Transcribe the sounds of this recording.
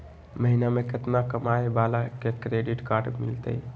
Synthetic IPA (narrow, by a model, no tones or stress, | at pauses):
məɦinameket̪nakəmajbalakekɾeɖiʈkaɾɖmḭlt̪ə̰j